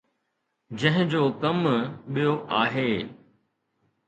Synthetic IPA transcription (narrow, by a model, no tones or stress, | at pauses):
d͡ʑɐ̃ɦɪ̃d͡ʑoːkɐmɓijoʔaːɦeː